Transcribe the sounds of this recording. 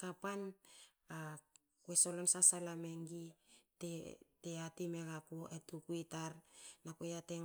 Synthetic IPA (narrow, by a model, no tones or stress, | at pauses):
kapan | a | kweso̞lonsasalame̞ŋɡiteteatime̞ɡakuʔetukuitaɾnakojateŋ